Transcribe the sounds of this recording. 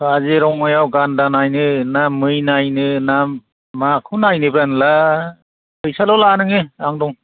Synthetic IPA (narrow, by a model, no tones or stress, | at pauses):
azeɾɔŋːajawɡandanajnɯnamːɯjnajnɯnamː | akʰunajnɯbɾanla | kʰɯjsalɔlanɯŋeaŋdɔŋ